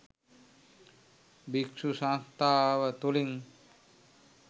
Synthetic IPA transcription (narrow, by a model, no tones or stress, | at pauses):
biksusãst̪awət̪uliŋ